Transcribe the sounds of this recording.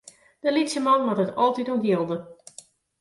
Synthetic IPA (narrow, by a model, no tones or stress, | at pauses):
d̥əlitsəmɑnʋɔtətɔlˠtituɡilˠdə